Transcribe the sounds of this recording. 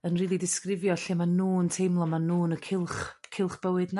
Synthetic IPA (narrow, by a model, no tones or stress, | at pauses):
ənriːlˠidɪskrɪvjɔɬimanuːəntʰejmlˠɔmanuːnəkʰɪlˠχkʰɪlˠχb̥əwɨdna